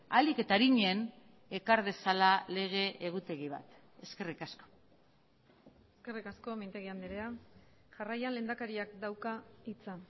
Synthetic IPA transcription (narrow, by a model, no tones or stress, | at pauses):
alike̞t̪aɾiɲe̞n | e̞kaɾð̞e̞salale̞ɣ̞e̞ʔeɣ̞ut̪e̞ɣiβ̞a̰t̪ | e̞ske̞rikasko̞̥ | eske̞rikasko̞mejnt̪e̞ɣiand̪eɾea | ʝarajanle̞ːnd̪akaɾiakd̪awkait͡sa